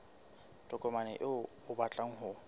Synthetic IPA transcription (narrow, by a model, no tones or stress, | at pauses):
tʼɔkʼɔmanɛ̰ʔɪ | ʊbat͡ɬʼaŋ̩ɦʊ